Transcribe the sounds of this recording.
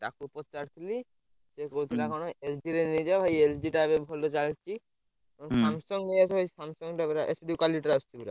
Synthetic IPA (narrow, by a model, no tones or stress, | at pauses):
ʈakupɔt͡ʃaɾt̪ʰili | sekowt̪ʰilakɔɽ̃oeld͡ʒiɾenejd͡ʒabʱajeld͡ʒiʈabebʱɔlɔt͡ʃalit͡ʃʰi | ɔsamsɔŋɡnejasɔbʱaisamsɔŋɡʈabɾaʔesɖikaliʈɾast͡ʃʰibuɾa̰